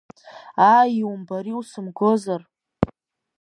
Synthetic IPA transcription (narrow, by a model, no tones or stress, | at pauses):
aiwumbaɾiwsɨmɡozar